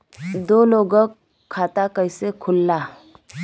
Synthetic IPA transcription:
d̪oːloːɡəkʰː | aːt̪akəɪsekʰʊlːaː

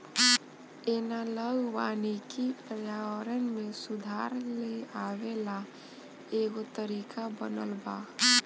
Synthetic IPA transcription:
eːnaləɡwaːnikipɾəjaːwəɾənmẽsʊd̪ʱaːɾleaːwela | eːɡot̪əɾiːkʰabə̰nə̰lbaː

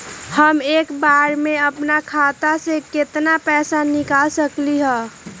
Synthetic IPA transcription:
həmeːkbaːɾmẽəpnakʰaːt̪asekɪt̪napɛːsanɪkaːlsəkliɦɛ̃ː

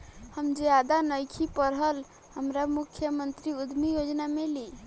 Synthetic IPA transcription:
həmd͡ʒjad̪anəjkʰipəɾɦəl | həmɾamukʰːjəmənt̪ɾiud̪ʱmijod͡ʒnameli

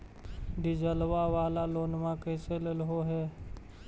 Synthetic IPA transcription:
ɖɪd͡ʒəlwaʋaːlaloːnmãkeselelɦoɦɛː

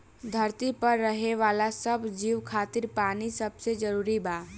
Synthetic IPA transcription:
d̪ʱəɾt̪ipəɾːəɦeʋaːlasəbd͡ʒiːʋkʰaːt̪ɪɾpaːnisəbsed͡ʒəɾuːɾibaː

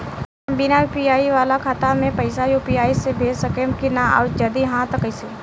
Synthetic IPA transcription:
binajupijaːiʋaːlakʰaːt̪amẽpɐɪsajuːpijaːisebʱeːd͡ʒsɐkemkinaɔ̰ːɾd͡ʒɐd̪iɦãt̪əkəɪse

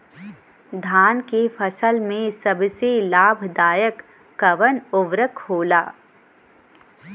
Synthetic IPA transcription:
d̪ʱaːnkefʰəsəlmẽsɐbselaːbʱd̪aːjəkː | ɐʋənʊʋɾəkhoːlaː

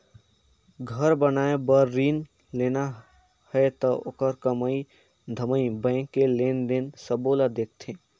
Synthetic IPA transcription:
ɡʱəɾbənaːebəɾːin | lena | həet̪ɔo̰ːkəɾkəməi | d̪ʱəməĩbə̃ɪ̃kːelend̪ensəbolad̪ek̚ʰt̪ʰẽ

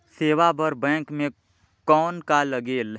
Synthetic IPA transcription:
seːʋabəɾbɛ̃ːkmẽ | kɔːnkaləɡeːl

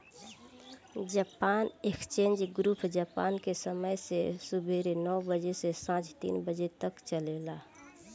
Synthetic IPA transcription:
d͡ʒaːpaːnekst͡ʃẽːnd͡ʒɡɾuːpʰd͡ʒaːpaːnkesəməjsesubʱeɾenɔːbəd͡ʒesesãːt͡ʃt̪ḭːnbəd͡ʒet̪əkt͡ʃəlelaː

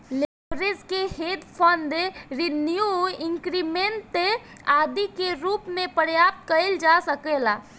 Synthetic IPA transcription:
lebɾed͡ʒkehet̪pʰənd̪eɾinijuɪ̃ŋkɾimeɳʈːe | aːd̪ikeɾuːpmẽpəɾjaːp̚t̪̚kəld͡ʒasəkela

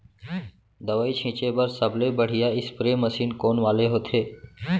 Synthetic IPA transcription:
d̪əʋaːiːt͡ʃʰĩːt͡ʃeːbəɾsəblebəɽ̤ɪjaːɪspɾeːməsiːnkoːnʋaːleɦoːt̪ʰeː

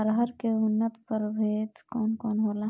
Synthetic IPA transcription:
əɾɦəɾkeʊnːət̪pəɾbʱeːt̪kɔːnkɔːnɦoːla

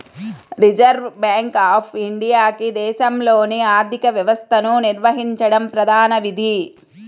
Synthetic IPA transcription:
ɾid͡ʒɐɾʋbaːŋkaːpʰiɳɖijaːkid̪ɛːʃɐmloːniaːɾd̪ʱikɐʋjɐʋɐst̪ʰɐnuniɾʋɐɦiɲt͡ʃɐɽɐmpɾɐd̪ʱaːnɐʋid̪ʱi

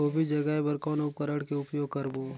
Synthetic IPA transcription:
oːbʱid͡ʒɐɡaebɐɾkɔːnʊp̚kəɾəɽkeʊpjoːɡkɐɾboː

